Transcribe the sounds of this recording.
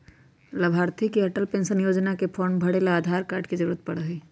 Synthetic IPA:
lɐbʱaːɾt̪ʰikiɐʈəlpẽːnsənjoːd͡ʒnakepʰoːɳbʱɐɽelaaːd̪ʱaːɾkaːɾɖkizɐɾuːɾət̪̚pɐɽɦiː

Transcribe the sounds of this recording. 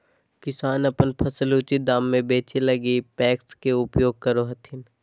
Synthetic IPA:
kɪsaːnɐpənpʰɐsəlut͡ʃid̪aːmːẽbeːt͡ʃelɐɡipɛːkskeʊpjoːɡ̚kɐɾoɦɐt̪ʰɪn

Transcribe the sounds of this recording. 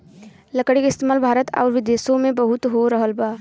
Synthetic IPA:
lɐkəɽikɪst̪eːmaːlbʱaːɾət̪ɔ̰ːɾʋɪd̪eːsõmẽbəɦʊt̪ɦoɾəɦəlbaː

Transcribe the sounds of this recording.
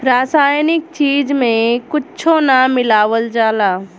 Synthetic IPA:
ɾaːsaːjnɪk̚t͡ʃiːd͡ʒmẽkʊtːt͡ʃʰonamɪlaːʋəld͡ʒaːlaː

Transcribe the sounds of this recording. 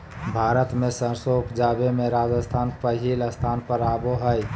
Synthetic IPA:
bʱaːɾət̪mẽsə̃soːkd͡ʒaːbemẽɾaːd͡ʒəst̪ʰaːnpəɦiləst̪ʰaːnpəɾaːboɦəj

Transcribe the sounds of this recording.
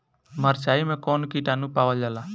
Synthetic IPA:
məɾt͡ʃaːiːmẽkoːnkiːʈaːnũpaːʋad͡ʒaːlaː

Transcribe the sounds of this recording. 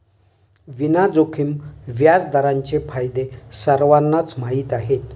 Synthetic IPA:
ʋinad͡zokʰimʋjad͡zd̪əɾaɲt͡ɕefʰajd̪esəɾʋanːat͡smaɦiːt̪aɦet̪

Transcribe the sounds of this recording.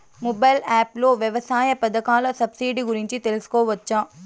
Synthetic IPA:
mɔbɐjlaːploːʋjɛʋɐsaːjɐpɐd̪ɐkaːlɐsɐbsiːɖiɡuɾiɲt͡ʃit̪elɐsu̥koːʋɐt͡ʃːaː

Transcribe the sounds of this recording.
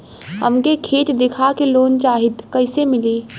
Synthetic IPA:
ɦə̰mkekʰiːt̪d̪ɪkʰakeloːnt͡ʃaːɦɪt̪kɐɪsemɪliː

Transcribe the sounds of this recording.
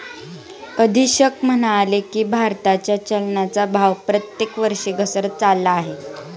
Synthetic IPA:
kəd̪ʱiːɕəkm̤ənalekiːbʱaɾt̪at͡ɕjat͡ɕəlnat͡sabʱaʋpɾət̪jekʋəɾʂeɡʱəsəɾt͡salːaːɦe

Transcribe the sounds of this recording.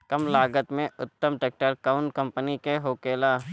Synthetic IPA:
kɐmlaːɡət̪mẽʊt̪ːəmʈek̚ʈəɾkaːʊɳkɐ̃mpənikeɦoːkeːlaː

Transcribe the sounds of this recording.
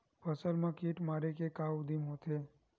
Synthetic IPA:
pʰəsəlmãkiʈmaɾekekaud̪imɦot̪ʰe

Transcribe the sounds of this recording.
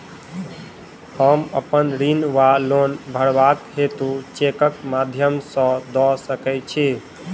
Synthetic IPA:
həmə̰pənɾinʋalonbʱəɽbakɦet̪ut͡ʃekəkmad̪ʱjəmsə̃d̪ɔsəkɛt͡ʃʰi

